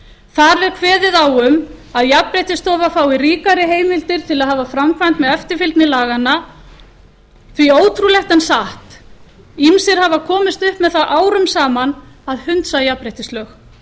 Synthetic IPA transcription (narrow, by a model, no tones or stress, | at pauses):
θaɾvɛɾkʰvɛːðɪðawʏmaðjapɾejht̪ɪst̪ɔːvafaːwɪɾiːkaɾɪɦeːjmɪlt̪ɪɾ̥t̪ʰɪlaðhaːvafɾamkʰvajn̥t̪mɛðœft̪ɪɾfɪlt̪nɪlaːɣanːa | θvioːwt̪ʰɾulɛxt̪ɛnsaht̪ | imsɪɾ̥havakʰɔːmɪst̪ʏhpmɛðθaʔaːwɾʏmsaːman | aðhʏnt̪sajapɾejt̪ɪsœx